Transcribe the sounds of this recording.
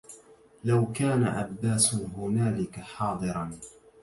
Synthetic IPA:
lawkaːna̰ʔa̰bːaːsɦʊnaːlɪkaħɑːd̪ˤɨɾɑn

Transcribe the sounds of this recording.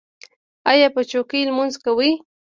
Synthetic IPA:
ajapat͡ʃokilmʊnskawi

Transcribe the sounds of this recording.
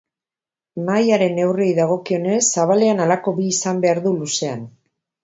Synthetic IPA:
majaɾe̞ne̞wrejðaɣ̞o̞kio̞ne̞sːaβ̞ale̞analako̞biːsambe̞aɾðuluse̞a̰n

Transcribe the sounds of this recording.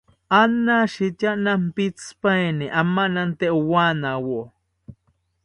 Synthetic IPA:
anːaʃitaʔnampit͡spaeniʔamːanant̪eʔuwanawo

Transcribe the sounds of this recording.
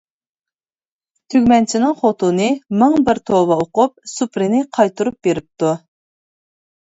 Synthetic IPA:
t̪ʰyɡʲmɛnt͡ʃʰinɨŋχot̪ʰunɨmɨŋbɪɾt̪ʰovɑoqʊp̚supɾɪnɪqʰɑjt̪ʰuɾup̚beɾɪp̚t̪u

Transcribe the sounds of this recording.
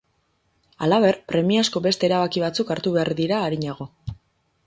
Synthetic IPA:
alaβ̞e̞rpɾe̞miasko̞be̞st̪e̞ːɾaβakiβ̞at͡sukaɾt̪uβeaɾðiɾaːɾiɲaɣ̞o̞

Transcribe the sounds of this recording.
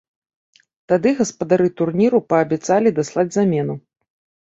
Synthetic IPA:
t̪ad̪ɨɣɐspɐd̪aɾɨt̪urnʲiɾupɐːbʲɛt̪salʲid̪aslˠad͡zʲzamʲɛnu

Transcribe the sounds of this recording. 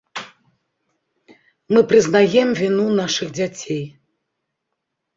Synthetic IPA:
mɨpɾɨznajɛmvʲinunaʂɨɣd͡zʲat͡sʲej

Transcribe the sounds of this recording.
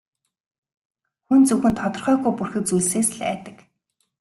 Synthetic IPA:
xunt͡sɵxɘ̆nt̪ʰɔt̪ɞ̆rχœːɣujpurxɘ̆k̚t͡sujɮseːsɮæ̰ːt̪ə̥̆k

